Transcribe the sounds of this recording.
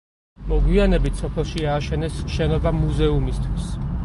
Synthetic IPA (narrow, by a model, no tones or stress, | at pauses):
mɔɡwianɛbit̪ʰsɔpʰɛlˠʃiaːʃɛnɛsʃɛnɔbamuzɛumist̪ʰwis